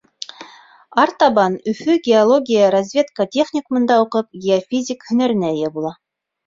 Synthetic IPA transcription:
ɑɾt̪ɑβɑnɵ̆fɵɡʲɪolˠo̞ɡʲijəɾɐzʲvʲe̞t̪kətʲeχnʲɪkumɤ̆nd̪ɑuqɤp̚ɡʲeofʲizʲɪkhɵ̆næɾɘ̆næjæbulˠɑ

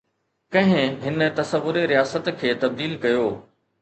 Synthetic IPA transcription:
kɐ̃ɦɪ̃ɦɪnə̆t̪ɐsəʋːʊɾeɾijaːsət̪kʰeːt̪ɐb̚d̪iːlkɐjoː

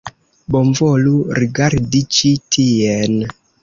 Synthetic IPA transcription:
bomvoluɾiɡaɾdit͡ʃitʰien

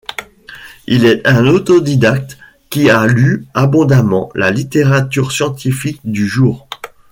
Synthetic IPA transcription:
ilɛt̪ɛ̃not̪od̪id̪ak̚t̪ | kʲːialyabɔ̃d̪amɑ̰̃la̰lit̪eʁat̪yʁsjɑ̃t̪ifik̚d̪yʒuːʁ

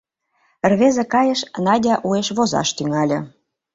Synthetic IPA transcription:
ərβezekɑjə̆ʃnɑdʲɑʔueʃβozɑ̰ʃt̪yŋɑlʲɤ̆

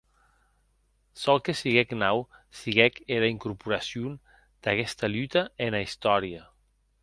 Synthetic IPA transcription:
sɔlˠkesiɣɛknawsiɣɛkeɾaiŋkuɾpuɾasjun | d̪̥akɛst̪alyt̪aenaist̪ɔɾiə

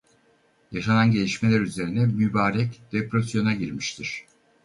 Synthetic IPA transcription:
jaʃananɟe̞lʲiʃme̞lʲæɾyze̞ɾinɛmybaːɾɛcd̪̥epɾosjo̞naɟiɾmiʃt̪ʰiɾ̥

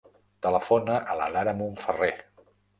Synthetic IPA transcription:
t̪ələfonəʔələ̰laɾəmuɱfəre

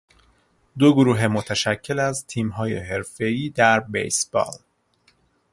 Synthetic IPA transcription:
d̪oɡoɾuːɦemot̪ʰæʃæcʰːe̞læzt̪ʰiːmɦɒːjḛɦe̞ɾfe̞iːd̪æɾbḛjsb̥ɒ̰ːl

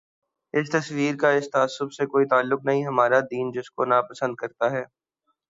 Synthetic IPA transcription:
ɪst̪ɐswiːɾkaɪst̪aːsːʊbsekoːit̪aːlːʊknɐɦĩɦɐmaːɾad̪iːnd͡ʒɪskonapɐsə̃nd̪̚kɐɾt̪aɦɛː

